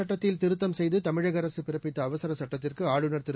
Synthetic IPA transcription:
ɐʈːɐt̪ːɪlt̪ɪɾɯt̪ːɐmsɛjðɯt̪ɐmɪɻɐɣɐɾɐsɯpɪɾɐpːɪt̪ːɐːʋɐsɐɾɐsɐʈːɐt̪ːɪrkɯaːɻɯnɐɾt̪ɪɾ

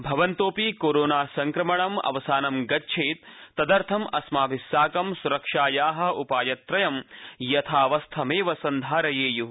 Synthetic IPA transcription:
bʱɐʋɐnt̪oːpiːkoːɾoːnaːsɐŋkɾɐmɐɳɐmɐ̰ʋɐsaːnɐmɡɐtːt͡ʃʰeːt̪̚t̪ːɐd̪ɐɾt̪ʰɐmɐsmaːʋisaːkɐmsuɾɐkʂaːjaːɦɐ̆upaːjɐt̪ːɾɐjɐmjɐt̪ʰaːʋɐst̪ʰɐmeːʋɐsɐnd̪ʱaːɾɐjeːju

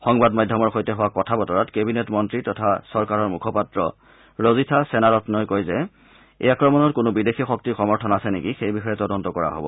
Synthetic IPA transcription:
xɔŋbadmadʱjɔmɔɹxojtɛɦʊwakɔtʰabɔtɔɹɔtkebinetmɔntɹitɔtʰasɔɹkaɹɔɹmukʰɔpatɹɔ̰ | ɹozitʰasɛnaɹɔtnɔjkojzɛ | ḛjakɹɔmɔnɔtkʊnʊbidexixɔk̚tixɔmɔɹtʰɔnasɛnekixejbixɔjɛtɔdɔntɔkɔɹa̰ɦo̰bɔ̰

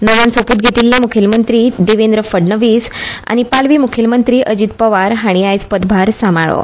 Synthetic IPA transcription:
noʋansopuːt̪̚ɡʱet̪iːlːjamukʰelmənt̪ɾiːɖeʋend̪ɾəfəɖnəʋiːsa̰ɽ̃ipalʋiːmukʰəlmənt̪ɾiːʔəd͡ʑit̪pəʋaɾɦaɽ̃iajspəd̪bʱaɾsamaɭo̰

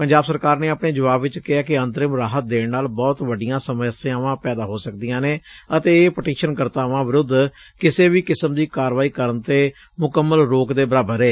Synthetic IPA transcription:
pəɲd͡ʒaːbsəɾkaːɾneːəpɳeːd͡ʒəʋaːbʋɪt͡ʃkɪaːkɪə̃nt̪əɾɪmɾaːɦət̪̚d̪eːɽnaːlbɔːt̪ʋəɖɪjãːsəməsãaːʋãːpɛːd̪aːɦoːsəkd̪ijãːneːət̪eːpəʈeːʃənkəɾt̪aːʋãːʋɪɾʊd̪ː | kɪseːʋiːkɪsəmd̪iːkaːɾʋaːiːkəɾənt̪eː | mʊkəmːəlɾoːkd̪eːbəɾaːbəɾeː

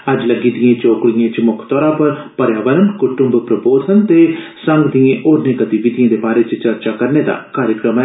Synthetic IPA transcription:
ɐd͡ʒləɡiːd̪ɪjẽːt͡ʃoːkɽijẽːt͡ʃmʊkʰt̪ɔːɾãːpəɾpɐɾjaːʋəɾənkʊʈʊ̃mbpɾəboːd̪ʱənt̪eːsə̃ŋɡd̪ijẽːʔoːɾnẽːɡət̪iʋɪd̪ijẽːd̪eːbaːɾeːt͡ʃt͡ʃɐɾt͡ʃakəɾned̪a̰ːkaːɾjəkɾəmɛ

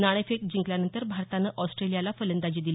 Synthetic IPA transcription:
naɽ̃efek̚d͡ʑiŋkljanənt̪əɾbʱaɾt̪anəʔɔsʈɾelijalafələnd̪ad͡ʑid̪il

